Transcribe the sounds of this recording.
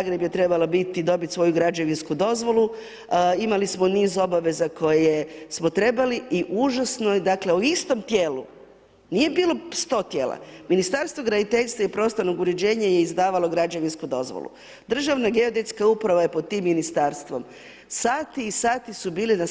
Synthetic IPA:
aɡɾebje̞t̪ɾe̞balobit̪id̪o̞bit̪ʲsʋo̞juɡɾad͡ʑeʋinskud̪o̞zʋo̞lu | imalismo̞niːzo̞baʋe̞zakʰo̞jejesmo̞t̪ɾe̞baliiʔuʒasnod̪akle̞uist̪o̞mt̪jeːlu | nije̞biːlo̞st̪o̞ːt̪jeːlˠa̰minist̪aɾst̪ʋoɡɾanit̪eʎst̪ʋaipɾo̞ːst̪ano̞ɡuɾe̞d͡ʑe̞ːɲaje̞izd̪aːʋalˠo̞ɡɾad͡ʒeʋinskud̪o̞̰zʋo̰lˠṵ | d̪r̩ʒaʋnaɡe̞od̪et̪skaupɾaʋaje̞pod̪̚t̪iːmːinist̪aːɾst̪ʋo̞m | saːt̪iːsaːt̪isubiːlina

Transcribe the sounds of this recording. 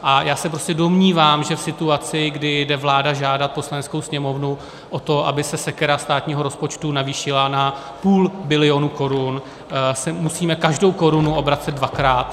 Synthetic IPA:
ʔajaːsɛpɾoscɛdo̞mɲiːvaːmʒɛfsɪt̪uat͡sɪɡdɪdɛvlaːdaʒaːdat̪̚po̞slanɛt͡sko̞wsɲɛmo̞vnu | ʔo̞t̪o̞ʔa̰bɪsɛsɛkɛɾast̪aːt̪ɲiːɦo̞ɾo̞spo̞t͡ʃt̪unaviːʃɪlana | puːlbɪlɪo̞nuko̞ɾun | sɛmusiːmɛkaʒdo̞wko̞ɾunuʔo̞bɾatt͡sɛd̪̚dvakɾaːt̪

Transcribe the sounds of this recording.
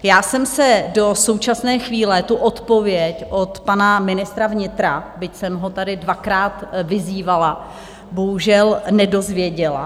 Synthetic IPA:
jaːsɛmsɛdo̞so̞wt͡ʃasnɛːxviːlɛt̪uʔo̞t̪po̞vjɛcʔo̞t̪panamɪnɪst̪ɾavɲɪt̪ɾabɪcsɛmɦo̞t̪adɪdvakɾaːt̪vɪziːvala | bo̞ɦuʒɛlnɛdo̞zvjɛɟɛla̰

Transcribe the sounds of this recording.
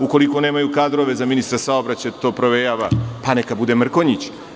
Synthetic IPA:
uko̞liko̞ne̞ːmajukaːd̪ɾo̞ʋe̞zaminist̪ɾasaobɾat͡ɕat̪o̞ːpɾo̞ʋejaːʋapanekabud̪emr̩ko̞ɲit͡ɕ

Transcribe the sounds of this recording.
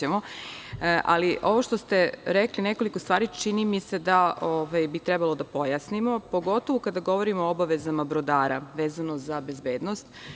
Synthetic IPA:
emo̞ | ʔa̰liʔo̞ʋo̞ʃt̪ost̪e̞ɾeklineko̞likost̪ʋaːɾit͡ʃinimise̞d̪aʔoːʋajbit̪ɾɛbalˠod̪apo̞jasnimo̞po̞ɡo̞t̪o̞ʋokad̪aɡoʋo̞ɾimoobaʋe̞zamabɾod̪aːɾa̰ʋe̞ːzanozabe̞zbeːd̪nost̪

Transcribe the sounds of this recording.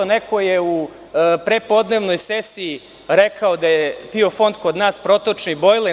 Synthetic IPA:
oneko̞jeu | pɾepo̞d̪ne̞ːʋno̞jsesiː | ɾekʰaod̪ajepio̞fo̞nd̪ko̞d̪naːspɾo̞t̪ot͡ʃnibo̞jlˠe

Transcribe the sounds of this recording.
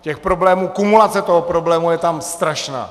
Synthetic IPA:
cɛxpɾo̞blɛːmuːkumulat͡sɛt̪oɦopɾoblɛːmujɛt̪amst̪ɾaʃna̰ː

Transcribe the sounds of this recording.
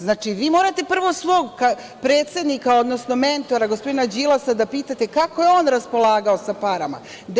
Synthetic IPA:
znaːt͡ʃiʋiːmo̞ːɾat̪e̞pr̩ʋo̞sʋo̞ːɡka | pɾe̞ːt̪se̞d̪nikao̞d̪no̞sno̞me̞nt̪o̞ɾaɡospo̞d̪inad͡ʑilasad̪apiːt̪at̪e̞kako̞jeo̞ːnɾaspo̞lˠaːɡaosapaɾama̰ | d̪

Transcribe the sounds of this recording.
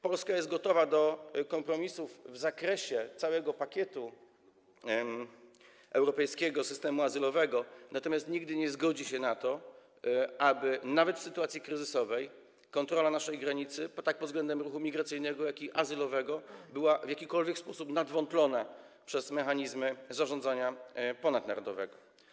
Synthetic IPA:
pɔlskajɛst̪̚ɡɔt̪ɔvad̪ɔkɔmpɾɔmʲisufvzakɾɛɕɛt̪sawɛɡɔpakʲɛt̪u | ɛwɾɔpɛjskʲɛɡɔsɘst̪ɛmuazɘlɔvɛɡɔnat̪ɔmʲjast̪ɲiɡd̪ɘɲɛzɡɔd͡ʑiɕɛnat̪ɔ | abɘnavɛt̪fsɘt̪uwat̪sʲjikɾɘzɘsɔvɛj | kɔnt̪ɾɔlanaʂɛjɡɾaɲit̪sɘpɔt̪ːak̚pɔd̪zɡlɛnd̪ɛmɾuxumʲiɡɾat̪sɘjnɛɡɔjakʲiʔazɘlɔvɛɡɔbɘwavjakʲikɔlvʲjɛkspɔsupnad̪vɔnt̪lɔna | pʂɛzmɛxaɲizmɘzaʐɔnd̪zaɲapɔnad̪̚naɾɔd̪ɔvɛ̰ɡɔ

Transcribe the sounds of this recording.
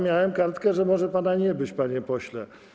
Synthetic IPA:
mʲjawɛmkaɾt̪kɛʐɛmɔʐɛpanaɲɛbɘt͡ɕpaɲɛpɔɕlɛ

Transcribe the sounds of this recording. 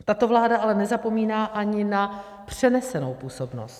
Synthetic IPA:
t̪at̪ovlaːdaʔalɛnɛzapo̞miːnaːʔaɲɪna | pr̝̥ɛnɛsɛno̞wpuːso̞bno̰st̪

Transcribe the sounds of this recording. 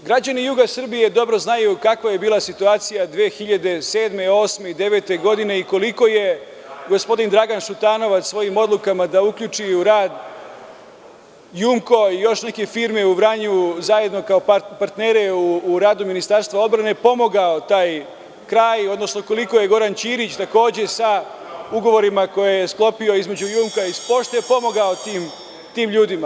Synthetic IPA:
ɡɾad͡ʑanijuɡasr̩bije̞d̪o̞bɾo̞znajukakʋaje̞biːlˠasit̪uaːt̪sijad̪ʋeːxiʎad̪e̞se̞ːd̪me̞o̞ːsmeid̪e̞ʋe̞ːt̪e̞ɡo̞d̪ine̞iko̞liko̞je̞ | ɡo̞spo̞d̪ind̪ɾaɡanʃut̪aːno̞ʋat̪ʋo̞jimo̞d̪lˠukamad̪aukʎut͡ʃiuɾaːd̪ | juŋko̞ijo̞ʃne̞ke̞fiːɾme̞uʋɾaɲuzaje̞d̪no̞kao̞paɾt̪neːɾe̞uːɾaːd̪uminist̪aɾst̪ʋao̞d̪bɾane̞po̞mo̞ɡao̞t̪aːj | kɾaːjo̞d̪no̞sno̞ko̞liko̞je̞ɡo̞ɾant͡ɕiːɾit͡ɕt̪ako̞ːd͡ʑe̞sa | uɡo̞ʋo̞ɾimako̞jejesklˠo̞pio̞izme̞d͡ʑujuːmkaispo̞ʃt̪ojepo̞mo̞ɡaot̪iːm | t̪iːmʎuːd̪ima

